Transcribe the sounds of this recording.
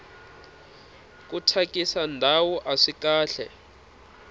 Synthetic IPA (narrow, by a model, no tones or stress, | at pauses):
k̬utʰak̬ʼisandʱawuʔaʂikaːɬɛ̰